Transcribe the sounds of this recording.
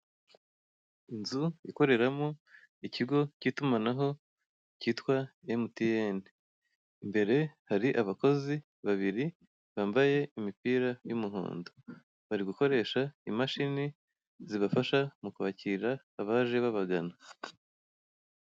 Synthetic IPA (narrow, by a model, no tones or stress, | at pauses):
inzuiko̞ɾe̞ɾamo | iciɡo̞ciːtumanaɦo̞ | ciːtkwaemutijeni | mbe̞ɾe̞haɾiʔaβako̞zi | βaβiɾi | βaːmbaje̞imipiːɾajumuɦo̰ːndo | βaɾiɡuko̞ɾe̞ːʃaimaʃini | ziβafaʃamukuβaciɾaːβaʒe̞βaβaɡana